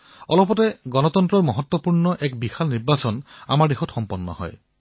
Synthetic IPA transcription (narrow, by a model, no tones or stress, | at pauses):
ɔlɔpɔteɡɔnɔt̪ɔnt̪ɾɔɹmɔɦɔt̪wɔpuɹnɔʔekbixalniɾbasɔna̰maɹdexɔtxɔmpɔnːɔ̰hɔ̰j